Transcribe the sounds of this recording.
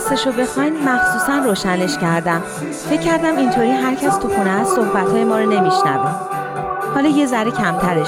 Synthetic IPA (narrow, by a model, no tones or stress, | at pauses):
st̪eʃobe̞xɒjnmæxsuːsænroːʃæne̞ʃcʰæɾd̪æm | fe̞cʰːæɾd̪æmint̪ʰoɾiːɦæɾcʰæst̪ʰuxunɛæsso̞hbæt̪hɒːjemɒːɾɒne̞miʃnæ̰væm | hɒːlɒːje̞zæɾecʰæmt̪ʰæɾeʃ